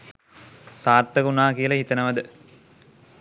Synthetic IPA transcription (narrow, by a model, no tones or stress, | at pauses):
saːrt̪əkunaːkijəlɐhit̪ənəʋɐd̪ə